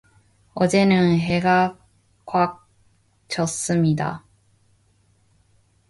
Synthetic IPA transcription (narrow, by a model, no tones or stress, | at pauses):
ʌd͡ʑe̞nɯnɦe̞ɡa | kwak̚ | t͡ɕʰʌs͈ɯmɲida̰